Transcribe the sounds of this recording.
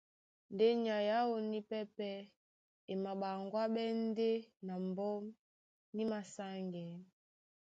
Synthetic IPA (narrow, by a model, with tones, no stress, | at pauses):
nde˦ɲa˨ja˦wo˨ni˦pɛ˦pɛ˦ | e˨ma˨ɓa˨ŋɡwa˦ɓɛ˦n˦de˦na˨m˨bɔ˦m | ni˦ma˨sa˦ŋɡɛ˨